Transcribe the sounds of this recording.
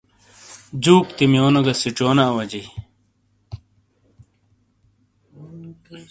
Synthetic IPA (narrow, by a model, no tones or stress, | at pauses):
d͡ʑuːkt̪imjoːnɐɡɐsiʈ͡ʂoːnaːwɐd͡ʑi